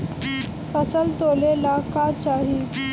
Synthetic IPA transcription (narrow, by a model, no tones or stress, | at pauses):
pəsəlt̪olelakat͡ɕaɦi